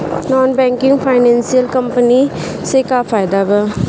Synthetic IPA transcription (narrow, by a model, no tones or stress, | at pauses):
nɔːnbɛ̃ːŋkɪ̃ŋɡpʰaːɪnɛ̃ːnsijəlkəmpəni | sekaːfʰaːɪd̪aːbɛː